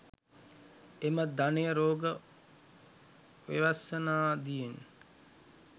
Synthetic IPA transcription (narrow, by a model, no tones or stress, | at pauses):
eməd̪anejəɾoːɡə | ʋḛʋasənaːd̪ijen